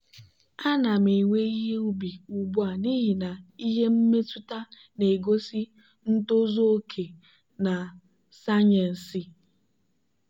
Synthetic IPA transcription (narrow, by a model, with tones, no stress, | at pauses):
a˦na˨me˨ŋʷe˦i˦ɦe˦u˦bi˨u˨bu˦a˨ni˦ɦi˨na˨i˦ɦe˦m̩˦me˦tu˦ta˦ | ne˨ɡo˦si˦ | n̩˦to˦zo˦o˦kʰe˨ | na˨ | sa˦ɲe˨n̩˨si˦